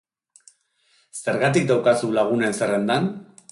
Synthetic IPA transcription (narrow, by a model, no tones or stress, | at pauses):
se̞ɾɣat̪ik̚d̪awkasulaɣ̞une̞nse̞re̞nd̪an